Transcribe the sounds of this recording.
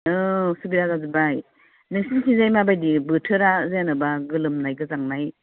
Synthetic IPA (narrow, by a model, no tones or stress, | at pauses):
ɯsubiɾazazibaj | nɯŋsinkʰinzajmabajdibɯtʰɯɾazjanɯbaɡɯlɯmnajɡɯzaŋnaj